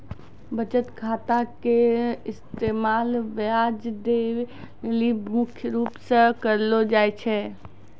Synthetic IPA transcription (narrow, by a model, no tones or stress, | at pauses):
bət͡ʃət̪kʰaːt̪akeɪst̪emaːlʋad͡ʒd̪eʋ | limʊkʰjəɾuːpsə̃kəɾlod͡ʒaːjt͡ʃʰɛ